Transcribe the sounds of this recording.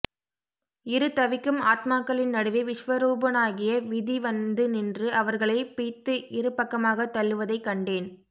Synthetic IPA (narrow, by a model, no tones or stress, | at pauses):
ɪɾɯt̪ɐʋɪkːɯmaːt̪maːkːɐɭɪnnɐɽɯʋeʋɪʂʋɐɾuːbɐnaːɣɪjɐʋɪðiʋɐnd̪ɯnɪndrɯʔɐʋɐɾɣɐɭɐɪpiːt̪ːɯʔɪɾɯpːɐkːɐmaːɣɐt̪ːɐlːɯʋɐðɐɪkːɐɳɖeːn